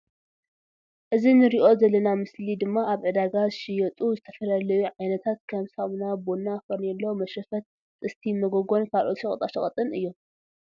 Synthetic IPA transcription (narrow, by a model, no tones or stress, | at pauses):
ʔɨzinɨɾiʔo̞zɐlɐnamɨslid̪ɨmːaaβʕɨd̪aɡazɨʃɪjɛt̪ʼuzɨt̪ʰɐfɐlalɐjuʕajnɐt̪ʰat̪̚kʰɐmsawnabonːafɐnɛlːowmɐʃɐfɐt̪̚ | t̪ʼɨst̪ʰimɐɡoɡo̞nkʰalʔot̪ʃɐχʼɐt̪ʼaʃɐχʼɐt̪ʼɨnɨjːo